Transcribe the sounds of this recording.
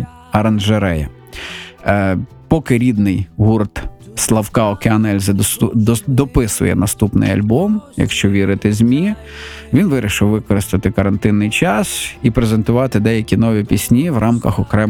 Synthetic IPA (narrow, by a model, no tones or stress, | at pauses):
ɐɾɐnʒeɾɛjɛ | pɔkɪɾʲid̪nɪjɦurt̪slˠɐwkɑɔkeɐnɛlʲzɪ | d̪ɔpɪsʊ̰jɛ̰nɐst̪upnɪ̰jɐ̰lʲbɔmjɐ̰kʃt͡ʃɔʋʲiɾɪt̪ɪzʲmʲi | ʋʲinʋɪɾʲiʃɪwʋɪkɔɾɪst̪ɐt̪ɪkɐɾɐnt̪ɪnːɪjt͡ʃɑsipɾezent̪ʊʋɑt̪ɪd̪ɛjɐkʲinɔʋʲipʲisʲnʲiwrʔɑmkɐxɔkɾɛ